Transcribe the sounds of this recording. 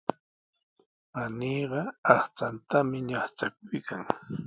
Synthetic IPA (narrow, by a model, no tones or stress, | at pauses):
paniːɢɑɑχt͡sant̪amɪɲɑχt͡ʃak̚ʊjkaŋ